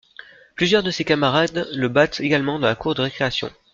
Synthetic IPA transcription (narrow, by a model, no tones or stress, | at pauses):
plyzjœʁd̪əsekamaʁad̪ləbat̪eɡalmɑ̃d̪ɑ̃lakuʁd̪əʁekχeasjɔ̰̃